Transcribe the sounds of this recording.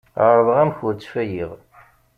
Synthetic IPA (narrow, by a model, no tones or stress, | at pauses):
ɾˤðəʁæmçʊɾt͡sːfæjiʁ